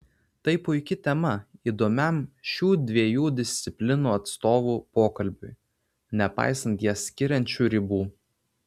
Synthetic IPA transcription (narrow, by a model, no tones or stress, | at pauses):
t̪ɐɪpʊɪkʲɪt̪ʲɛmɐiːd̪oːmʲɛmʃʲuːd̪ʲʋʲiɛjuːd̪ʲɪsʲt̪sʲɪpʲlʲɪnuːɐt̪st̪oːʋuːpoːkɐlʲbʲʊɪ | nʲɛpɑ̰ɪsɐnt̪jiɛsʲkʲɪɾʲɛnʲt͡ʃʲuːɾʲɪbuː